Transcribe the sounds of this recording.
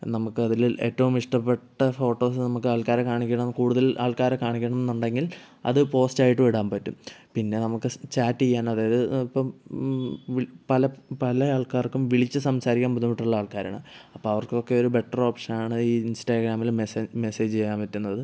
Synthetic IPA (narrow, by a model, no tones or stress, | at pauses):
nɐmukːɨɐðile̞̰ːtːɐʋumiʂʈɐpːe̞ʈːɐfo̞ːʈːo̞ːsɨnɐmukːɨaːɭkaːɾekaːɳikʲːɐɳɐmnkuːɽuðɐlʔa̰ːɭkaːɾekaːɳikʲːɐɳɐme̞nːuɳɖe̞ŋɡil | ɐ̰ðɨpo̞ːstaːjiʈːɨʋiɽaːnpɐtːṵmpinːe̞nɐmukːɨt͡ɕaːtːijːaːnɐðaːjɐðɨipːɐm | ʋpɐlɐpɐlɐaːɭkaːrkːumʋiɭit͡ɕːɨsɐmsaːɾikʲːaːmpud̪umːiʈːuɭːɐaːɭkaːɾa̰ːɳɨ̰ɐpːoːɐʋɐrko̞kːe̞o̞ɾube̞ʈːro̞ːpʂɐnaːɳɨiːinsʈaːɡɾaːmilmeseme̞seːd͡ʑt͡ɕejːaːnpɐtːunːɐðɨ